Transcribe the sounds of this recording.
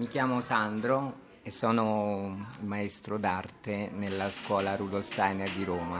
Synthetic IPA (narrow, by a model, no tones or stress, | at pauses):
mikjaːmosand̪ɾo | esːɔːno | ilmaest̪ɾod̪art̪enelːaskwɔːlaɾud̪olst̪ajnerd̪iɾoːma